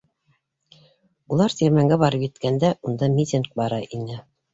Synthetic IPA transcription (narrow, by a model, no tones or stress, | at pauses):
ulˠɑɾt̪ʲiɾmæŋɡæbɑɾɤpjɘ̆t̪kænd̪æʔund̪ɑmʲit̪ʲɪnk̚bɑɾɑʔinɘ